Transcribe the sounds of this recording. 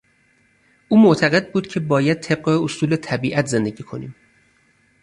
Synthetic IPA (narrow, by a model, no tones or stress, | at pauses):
ʔuːmoʔt̪ʰæɣe̞d̪̚buːd̪̚cʰe̞bɒːjæd̪̚t̪ʰe̞b̚ɢeosuːlet̪ʰæbiːʔæt̪ʰze̞nd̪e̞ɟiːkʰo̞nḭːm